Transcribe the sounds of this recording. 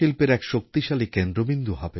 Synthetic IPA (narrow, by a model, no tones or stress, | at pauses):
ilpeɾɛkʃok̚t̪iʃalikend̪ɾobind̪uɦɔbe